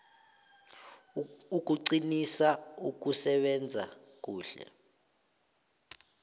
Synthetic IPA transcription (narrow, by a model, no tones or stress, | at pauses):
uk̬ʼuǀinisauk̬usɛɓɛnd͡zʱa̰ | k̬uːɬɛ̰